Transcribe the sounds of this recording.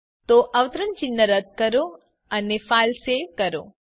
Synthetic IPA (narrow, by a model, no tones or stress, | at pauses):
t̪oʔəʋt̪ɾəɳt͡ʃɪnːəɾəd̪̚kəɾo | ənefaːlseʋkəɾo̰